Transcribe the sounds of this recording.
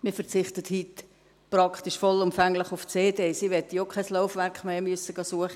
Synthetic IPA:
mɪːɾfɛɾt͡sɪχtəthit | pɾɑkt̪iʃfɔlʊmfɛŋləχʊft͡seːdeːsiʋɛt̪ːəjokʰχasloʊfʋæɾkχmeːmyəsəɡɑsuəχə

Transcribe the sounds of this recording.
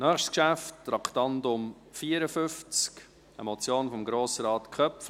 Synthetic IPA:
nœːχʃtkʃæftːɾɑktɑndʊm | fiːəɾəfʏft͡sk | əmɔt͡sjoːnfɔmɡɾoːsəɾɑːtkʰœpf

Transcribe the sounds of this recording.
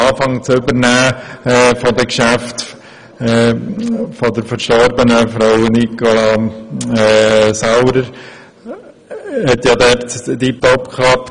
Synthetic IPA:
ɑːfɑŋt͡sʏbəɾnæː | fɔd̪əkʃæft̪ː | fɔd̪əɾfəɾʃtɔɾbənəfɾaʊwnikɔlɑ | ɛsɑwɾəɾ | hɛt̪jɑd̪ɛɾt̪d̥ip̚t̪ɔpkʰɑp

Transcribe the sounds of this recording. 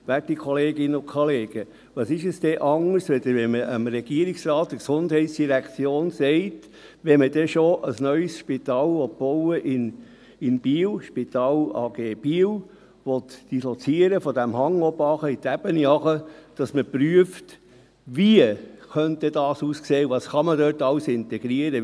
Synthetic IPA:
ʋætikʰɔleːɡɪnəʊkʰɔleːɡ̥ə | ʋɑsɪʃɛsd̥ɛʔɑŋːəsʋɛd̪əʋɛməʔəmɾɛɡ̥iəɾiksɾɑːt̚dəksʊnd̥hɛɪtsd̥iɾækt͡sjoːnsɛɪt | ʋɛmədɛʃoʔəsnœʏsʃpit̪ɑːlʋɔt̚b̥ɔwəʔɪn | ɪnb̥iːwʃpitɑːlɑːɡ̥eːb̥iːw | ʋɔt̪d̥isɔt͡siəɾəfɔdæmhɑŋɔbɑχəit̪æb̥əniɑχəd̥ɑsməpɾyəft | ʋiəχœnt̪ɛd̥ɑːsuːskseːuvɑːsχɑmədøtɑʊsɪntɛɡ̥ɾiəɾə

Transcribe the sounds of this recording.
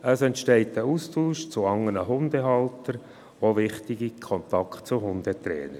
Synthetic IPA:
əsɛntʃtɛɪtəuːstuːʃt͡sʊɑŋːənəɦʊnd̪əɦɑltəɾ | ʋovɪχtɪɡikʰɔnt̪ɑkʰt̚t͡sʊɦʊnd̥̪ət̪ɾɛ̰ːnəɾ

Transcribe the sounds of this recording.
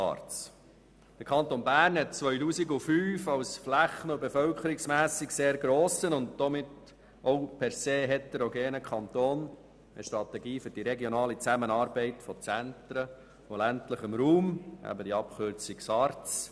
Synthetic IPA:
ɑ̰ːɾtt͡s | d̥əɾkʰɑnt̪onbæːɾnhɛt̚t͡sʋœʏtuːsɪɡʊfyːfɑwsflæχənʊbefœlkʰəɾɪksmæːsɪkseːɾɡɾoːsənʊntd̥ɔmɪt | ɔʊpʰɛɾseːɦɛt̪ɛɾɔɡeːnəkʰɑnt̪oːn | əʃtɾɑt̪ɛɡiːfʏɾd̥iɾɛɡjonɑːlit͡sæmənɑːɾbɛɪtfɔt͡sænt̪ɾə | ʊæntləχɪmɾuːmæ̰bədiɑpχʏɾt͡sɪksɑːɾtt͡s

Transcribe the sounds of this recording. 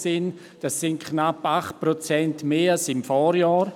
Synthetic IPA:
sɪn | d̥asːɪnkʰnapaχt̚pɾot͡sɛntmeːalsɪmfɔːɾjaːɾ

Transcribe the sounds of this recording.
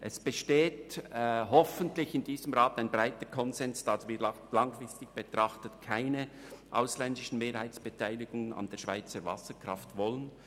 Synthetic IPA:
ʔɛsb̥əʃteːtɦɔfəntlɪçɪnd̥iːzəmʁaːtaɪnbɾaɪtəkʰɔnzɛnsd̥ɑsviːɾ | lɑŋfrɪstɪçb̥etʁ̥ɑχtətkʰaɪnəʔaʊslɛndɪʃn̩meːɾhaɪt͡sb̥etʰaɪlɪɡ̥ʊŋənɑ̰ndeːɐʃv̥a̰ɪt͡səɾvɑ̰səkr̥ɑftvɔlən

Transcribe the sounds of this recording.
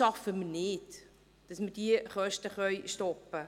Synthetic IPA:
ɑfəmənɪt | d̥ɑsmədiəχœʃtəχœɥʃtɔpːə

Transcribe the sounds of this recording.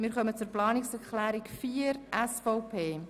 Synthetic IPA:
mɪːɾχœmət͡sʊɾplɑːnɪksɛɾklæːɾikfiəɾʔɛsfɔʊpʰeː

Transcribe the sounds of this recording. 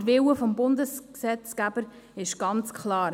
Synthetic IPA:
ɾʋɪwəfɔmbʊndəsksɛt͡skæb̥əɾ | ɪʃɡ̥ɑnt͡skχlɑːɾ

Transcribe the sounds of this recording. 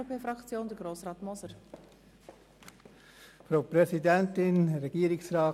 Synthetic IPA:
opʰeːfɾɑkt͡sjoːnd̥əɡ̥ɾoːsʁɑːtmɔsəɾ | fɾaʊpɾɛsidɛntɪnrːɛɡ̥iːəɾɪksɾɑː

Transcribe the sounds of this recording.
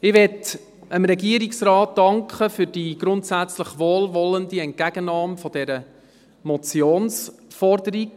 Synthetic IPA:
ɪʋɛt | əmɾɛɡiəɾiksrɑːtdɑŋkχəfʏɾd̥iːɡ̥ɾʊntsæt͡sləχʋoːlʋɔləndiɛnt̚kæɡ̥ənɑːmfɔd̥ɛɾə | mɔt͡sjoːnsfɔrdəɾiɡ

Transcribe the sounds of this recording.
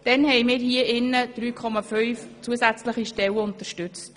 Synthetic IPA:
d̥ɛnhɛjmɪːɾhiəʔɪnːəd̥ɾyːkʰɔmɑfœʏft͡suəsæt͡sləχiʃtɛwəʊnt̪əʃtʏt͡st

